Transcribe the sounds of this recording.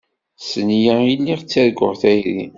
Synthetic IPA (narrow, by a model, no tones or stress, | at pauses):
sənjæilːiʁt͡sːæɾɡʊʁθæjɾi